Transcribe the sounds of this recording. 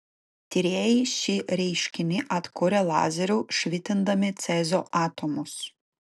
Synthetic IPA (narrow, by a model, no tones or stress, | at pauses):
t̪ʲɪɾʲeːjiʃʲɪɾʲɛɪʃʲkʲɪnʲɪʔɐt̪kʊɾʲɛlˠɑ̰ːzʲɛɾʲuʃʲʋʲɪt̪ʲɪnd̪ɐmʲɪt̪sʲɛzʲoːʔɑːt̪omʊs